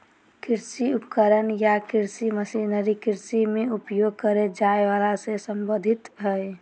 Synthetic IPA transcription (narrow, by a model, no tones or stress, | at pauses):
kɪɾsiʊpkəɾənjakɪɾsiməsinəɾikɪɾsimẽʊpjoɡ̚kəɾed͡ʒaːeʋaːlasesəmbəd̪ʱɪt̪bʱɛe